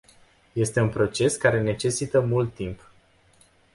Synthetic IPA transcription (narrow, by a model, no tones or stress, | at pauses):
je̞st̪e̞unpɾo̞t͡ʃe̞skaɾe̞ne̞t͡ʃe̞sit̪əmult̪ːimp